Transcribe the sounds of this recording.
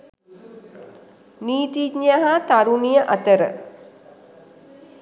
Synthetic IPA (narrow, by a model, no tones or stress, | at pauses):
niːt̪iɲjaɦat̪aɾunijəʔat̪əɾə̰